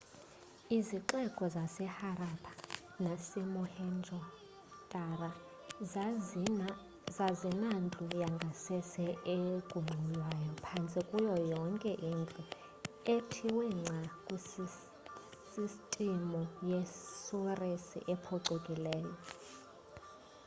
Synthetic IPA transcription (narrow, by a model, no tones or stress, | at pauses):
iziǁɛkʼɔzasɛharapʰʼḁ | nasemuhɛnd͡ʒʱɔ | tʼara | zazinand͡ɮʱʼujaŋɡʱasɛsɛekʼuŋ͡ǀʱulwajɔpʰant͡sʼikʼujɔjɔŋkʼɛʔind͡ɮʼu | etʰiwɛŋ͡ǀʱakʼu | sistʼimɔjesuresḭʔɛpʰɔǀukʼilɛːjɔ